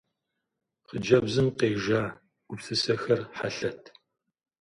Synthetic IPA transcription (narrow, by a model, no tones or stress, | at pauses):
χəd͡ʒɐbzɨmqeːʒaː | ɡ̥ʷʊpsɨsɐxɐrħaɬɐtʰ